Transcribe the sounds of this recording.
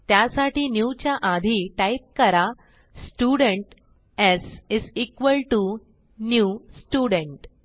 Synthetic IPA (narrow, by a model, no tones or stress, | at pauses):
t̪jasaʈiːnjut͡ɕjaʔad̪ʱiʈajp̚kəɾa | sʈjuɽəɳʈ | ɛsɪziːkʋəlʈu | njusʈuɽəɳʈ